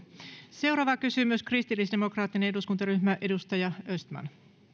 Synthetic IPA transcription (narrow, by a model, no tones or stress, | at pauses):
se̞wɾɑːʋɑkysymyskrist̪ilːisde̞mo̞krɑːt̪ːine̞ne̞duskunt̪ɑɾyhmæʔe̞dust̪ɑjɑøst̪mæ̰n